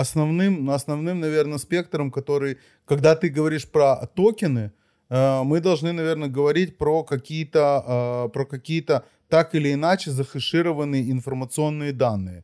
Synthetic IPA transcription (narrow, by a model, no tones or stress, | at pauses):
ɐsnɐvnɨmnɐsnɐvnɨmnɐvʲe̞rnəspʲe̞k̚t̪əɾəmkɐt̪o̞ɾɨj | kɐɡd̪at̪ɨɡəvɐɾʲiʂpɾət̪okʲɪnɨ | mɨd̪ɐlˠʐnɨnɐvʲe̞rnəɡəvɐɾʲitʲpɾokɐkʲijət̪əpɾəkɐkʲijət̪ə | t̪akɪlʲɪːnat͡ɕɪzəxɨʂɨɾəvənːɨjəɪnfərmət̪sɨo̞nːɨjəd̪anːɨjə